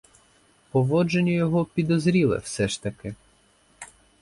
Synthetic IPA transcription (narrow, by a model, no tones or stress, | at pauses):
pɔʋɔd͡ʒenʲʊjɔɦɔpʲid̪ɔzɾʲilˠɐ̰wsɛʃt̪ɐkɪ